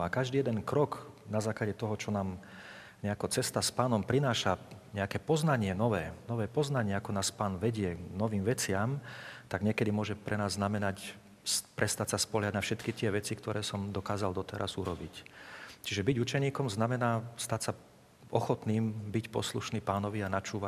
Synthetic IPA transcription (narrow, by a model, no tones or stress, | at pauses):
akaʒd̪iːjɛd̪ɛnkɾɔknazaːklaɟɛt̪ɔɦɔt͡ʃɔnaːm | ɲɛakɔt͡sɛst̪aspaːnɔmpɾinaːʃaɲɛakɛːpɔznaɲɪɛnɔʋɛːnɔʋɛːpɔznaɲɪɛakɔnaːspaːnʋɛɟɪɛnɔʋiːmʋɛt͡sɪamt̪aɡɲɪɛkɛd̪imʊɔʒɛpɾʔɛnaːzːnamɛnac | spɾʔɛst̪acsaspɔɦjaɟnafʃɛt̪kit̪ɪɛʋɛt͡sikt̪ɔɾʔɛːsɔmd̪ɔkaːzald̪ɔt̪ɛɾʔa̰zuɾɔbict͡ʃiʒɛbiɟut͡ʃɛɲiːkɔmznamɛnaːst̪acsa | ɔxɔt̪niːmbicpɔ̰sluʃniːpaːnɔʋianat͡ʃuːʋa